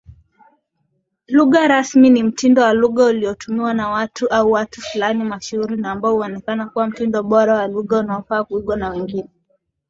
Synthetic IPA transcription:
luɠaɾasminim̩tindɔwaluɠauliɔtumiwanawatuʔauwatufulanimaʃuuɾinaːmbaɔuɔnɛkanakuwam̩tindɔɓɔɾawaluɠaunaɔfaːkuiɠwanawɛŋɡinɛ

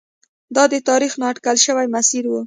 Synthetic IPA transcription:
d̪ɑd̪ət̪ɑɾixnɑʈkalʃəwajmasiɾwu

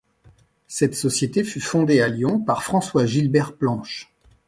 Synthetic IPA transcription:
sɛt̪sɔsjet̪efyfɔ̃d̪ealjɔ̃paʁfχɑ̃swaʒilbɛʁplɑ̃ʃ

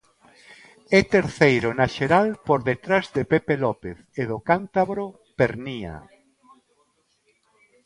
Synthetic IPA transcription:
ɛt̪eɾθejɾʊnaʃeɾalpoɾðet̪ɾazðepepelɔpeθeðokant̪aβɾo | peɾnia̰

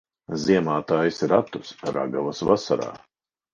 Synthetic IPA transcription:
ziɛmaːt̪aːjisɾat̪usɾa̰ɡavɐsvasaɾa̰ː

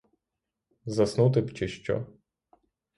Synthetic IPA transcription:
zɐsnut̪̬ɪpt͡ʃɪʃt͡ʃɔ̰

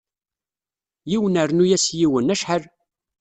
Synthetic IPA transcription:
jiwənəɾnujæsjiwənːæʃħəl

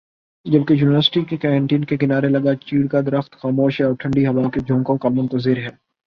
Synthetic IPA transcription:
d͡ʒɐb̚kejuːnɪʋəɾsɪ̥ʈikekɛːɾɛ̃ɳʈiːnkekɪnaːɾelɐɡat͡ʃiːɽkad̪ɐɾəxt̪xaːmoːʃɦɛɔːɾʈʰɐ̃ɳɖiɦɐʋaːked͡ʒʱõːŋkõkamʊ̃nt̪əzɪɾɦɛː

